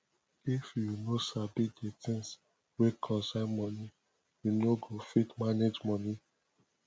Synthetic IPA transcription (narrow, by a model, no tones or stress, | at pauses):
ifjunosabidetĩns | wekʰɔ̃samɔ̃nĩ | junoɡofitmaned͡ʒmɔ̃nĩ